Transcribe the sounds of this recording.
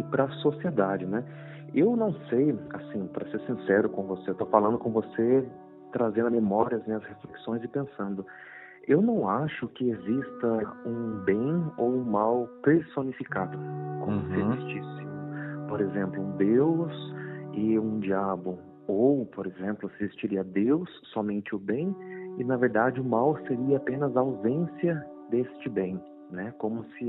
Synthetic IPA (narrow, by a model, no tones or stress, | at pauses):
pɾɐsosied̪ad͡ʒɪnɛ | ewnɐ̃w̃sejasĩpɾɐseɾsĩsɛɾʊkõvoseewt̪ofalɐ̃nd̪ʊkõvose | t̪ɾazẽnd̪ʊmemɔɾiɐznẽɐshest̪ɾiksõj̃zɪpẽsɐ̃nd̪ʊ | ewnɐ̃w̃aʃʊkɪezist̪ɐũbẽj̃owũmawpeɾsonifikad̪ʊkõmʊsɪezist͡ʃisɪmʊpoɾezẽmplʊũd̪ewsɪũd͡ʒiabʊ | owpoɾezẽmplʊsɪzist͡ʃiɾiɐd̪ewsːɔmẽnt͡ʃɪʊbẽj̃ɪnɐveɾd̪ad͡ʒɪʊmawseɾiɐapẽnɐzawzẽsiɐ | d̪est͡ʃɪbẽj̃ | nɛkõmʊsɪ